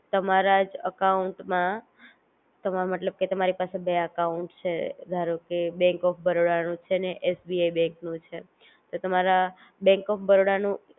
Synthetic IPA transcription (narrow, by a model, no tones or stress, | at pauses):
t̪əmaɾad͡ʒəkauɳʈmã | t̪əmməʈləb̚ket̪əmaɾipasebeəkauɳʈt͡ʃʰḛd̪ʱaɾokebɛ̃ŋkɔfʰbəɾoɽanũt͡ʃʰeneʔesbiaibɛ̃ŋknũt͡ʃʰe | t̪ot̪əmaɾa | bɛ̃ŋkɔfʰbəɾoɽanũ